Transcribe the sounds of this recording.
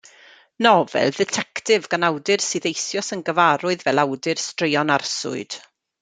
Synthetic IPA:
nɔvɛ̰lˠdɛtʰɛktʰɪvɡanawdɪrsɨðejθjɔsənɡəvaɾʊɨðvɛlˠawdɪrstrejɔnarsʊ̰ɨd̥

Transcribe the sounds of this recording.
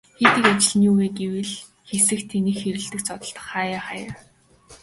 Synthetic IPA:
xet̪ɘ̆kat͡ɕɪ̆ɮniːuweːɡewɘ̆ɮ | xesɘ̆xt̪ʰːenĭːxxeɾɘ̆ɬt̪ɘ̆k̚t͡sʰɔt̪ɞ̆ɬt̪ɞ̥̆χːaːjaχaːja

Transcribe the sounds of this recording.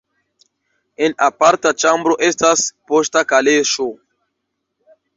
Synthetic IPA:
e̞napaɾtat͡ʃambɾo̞ʔe̞staspo̞stakaleʃo̞

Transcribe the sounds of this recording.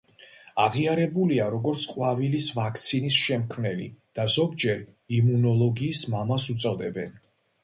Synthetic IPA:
aʁiaɾɛbuliaɾɔɡɔɾt̪sʰqʼwavilisvakʰt̪sʰinisʃɛmkʰmnɛlḭd̪̥azɔɡd͡ʒɛɾ | imunɔlˠɔɡiːsmamasut̪sʼɔd̪ɛbɛn

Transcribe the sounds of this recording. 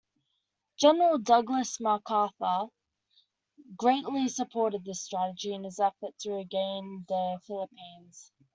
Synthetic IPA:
d̥ʒ̥ɛnəɹəlˠdʌɡləsməkʰɑˑθə | ɡɹeɪʔlisəpʰɔˑɾɨd̪̚ðɪstɹ̥æɾəd͡ʒiə̃nɪzɛfətʰəɹɪɡẽɪ̃nðəfɪlɪpʰĩːnz̥

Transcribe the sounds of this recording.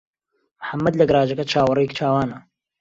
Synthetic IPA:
mħamːɐd̪lɐɡɾaːd͡ʒɐkɐt͡ʃʰaːwɐrɐjɛkt͡ʃʰaːwaːnɐ

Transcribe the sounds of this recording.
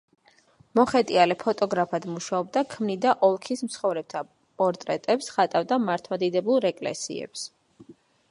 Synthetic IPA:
mɔχɛt̪ʼialɛpʰɔt̪ʼɔɡɾapʰad̪muʃaɔb̚d̪akʰmnid̪aʔɔlˠkʰismt̪sʰχɔvɾɛb̚t̪ʰa | pʼɔɾt̪ʼɾɛt̪ʼɛpsχat̪ʼavd̪amaɾt̪ʰmad̪id̪ɛbulˠɾɛkʼlɛ̰sḭɛ̰ps

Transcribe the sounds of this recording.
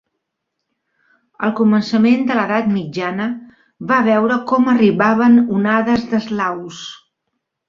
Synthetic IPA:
ə̰lˠkumənsəmend̪ələðat̪mid͡ʒanə | βaβɛwɾəkɔməriβaβ̞ənunaðəzðəzlaws

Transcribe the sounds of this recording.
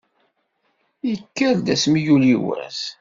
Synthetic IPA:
ikːəɾd̪æsmijuliwæ̰s

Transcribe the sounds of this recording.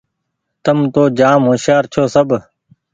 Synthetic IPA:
t̪əmt̪oːd͡ʒaːmɦoːʃjaːɾt͡ʃʰoːsəbʱ

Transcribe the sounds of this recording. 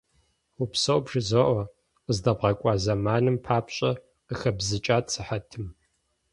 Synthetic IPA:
wupsɐwbʐɨzɐʔʷɔ | qəzdɐbʁɐkʷʼɑːzɐmaːnɨmpʰaːpɕʼɐ | əxɐbzɨt͡ʃʼaːtsʰɨħatʰɨm

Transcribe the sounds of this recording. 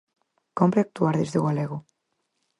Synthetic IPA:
kompɾeak̚t̪uaɾðezðeoɣalɛɣo

